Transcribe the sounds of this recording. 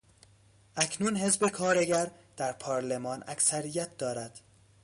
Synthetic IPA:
ʔæcʰnuːnhe̞zbe̞kʰɒːɾe̞ɡæɾd̪̥æɾpʰɒːɾle̞mɒːnæ̰ksæɾijæt̪̚ʰd̪ɒːɾæd̪̥

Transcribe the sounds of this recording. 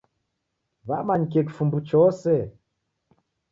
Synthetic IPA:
βamaɲk̬ɛk̬fumbut͡ʃɔsɛ

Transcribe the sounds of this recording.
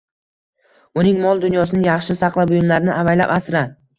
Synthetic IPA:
ʊnɪŋmɒlˠd̪ʊnjɒsɪnɪjɑχʃɪsɑqlˠabʊjɪmlaɾɪnɪʔavajla̰pasɾa

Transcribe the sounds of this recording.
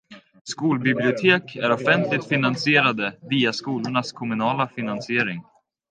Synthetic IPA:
skuːlbɪblɪʊt̪ʰeːkʰæɾɔfɛnt̪lɪt̪fɪnansɪeːɾad̪əviːaskuːlʊɳaskʰɔmɵnɑːlafɪnansɪeːɾɪŋ

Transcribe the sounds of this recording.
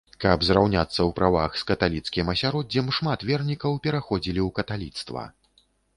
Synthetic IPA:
kɐbzɾawnʲat̪sːɐwpɾava̰xskɐt̪alʲit̪skʲimɐsʲaɾɔdd͡zʲɛmʂmat̪vʲɛrnʲikɐwpʲɛɾaxɔd͡zʲilʲiwkɐt̪alʲit̪st̪vɐ̰

